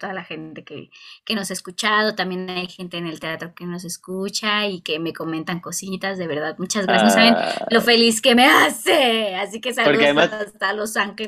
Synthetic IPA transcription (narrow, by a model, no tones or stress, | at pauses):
t̪oðalaxe̞nt̪e̞kḛke̞no̞saeskut͡ʃað̞o̞t̪ambje̞najxe̞nt̪eːne̞lt̪e̞at̪ɾo̞ke̞no̞s̬e̞skut͡ʃaike̞me̞ko̞mẽ̞nt̪aŋko̞sit̪azðe̞βe̞ɾðaðmut͡ʃazɣɾasnosaβenlo̞fe̞liske̞me̞aseasikesaloɾkuaðemaalosaŋxe